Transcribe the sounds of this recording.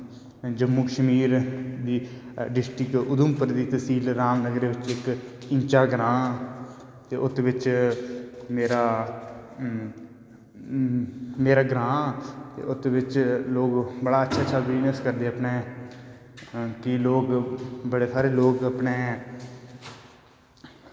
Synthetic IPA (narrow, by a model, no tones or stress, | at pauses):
d͡ʒəmːuːkəʃəmiːɾd̪iːɖɪsʈɾɪkʊd̪ʊmpəɾd̪iːt̪əsiːlɾaːmnəɡɾeːʋɪt͡ʃɪkɪɲt͡ʃaːɡɾãː | t̪eːʔʊt̪ːʋɪt͡ʃ | meːɾaː | meːɾaːɡɾãːt̪ḛːʔʊt̪ːʋɪt͡ʃloːɡbəɽaːətːʃʰaːt͡ʃʰaːʋɪnəskəɾd̪eːəpneː | kɪloːɡbəɽeːsaːɾeːloːɡəpneː